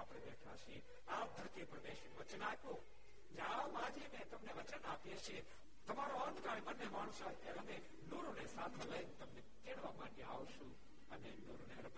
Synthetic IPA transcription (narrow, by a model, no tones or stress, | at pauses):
apɽ̃ebɛʈʰaʃie | ap̚d̪ʱəɾt̪ipəɾbeʃiʋət͡ʃənapjo | d͡ʒãʋamãːd͡ʒinet̪ɐmneʋət͡ʃənapieʃie | t̪ɐmaɾoənd̪kaɽebənːemaːɽ̃usat̪jaɾəne | noɾonesat̪ʰeləjnt̪əmnekeɽʋamãːnjea̰ʋʃũ | ənenoɾoneɾɐp